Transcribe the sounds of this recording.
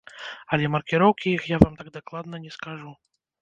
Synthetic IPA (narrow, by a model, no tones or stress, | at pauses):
ɐlʲɛmɐrkʲɪɾɔwkʲijixjavamt̪aɡ̚d̪aklˠad̪nɐnʲɛskaʐu